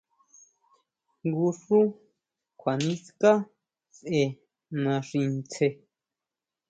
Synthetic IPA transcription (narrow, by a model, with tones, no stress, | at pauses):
ŋɡu˧ʂu˦ | kʷʰa˨nĩ˦ska˦ | sʔe˧ | nã˧ʂi˧nt͡sʰe˧